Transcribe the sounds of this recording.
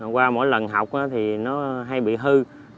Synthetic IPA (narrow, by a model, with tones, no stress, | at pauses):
kwaː˧mo̰˧˥˦jlə˨˩nɦa˨˩wk͡p̚ʔaː˨˦t̪ʰi˨˩nɔ˨˦ɦa˧jɓḭ˧˨ɦɨ˧